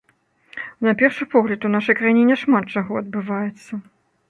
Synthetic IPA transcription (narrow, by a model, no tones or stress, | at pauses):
napʲɛrʂɨpɔɣlʲɐt̪unaʂɐjkɾajinʲɛnʲɛʂmat̪̚t͡ʂaɣɔɐd̪bɨvajɛt̪sːɐ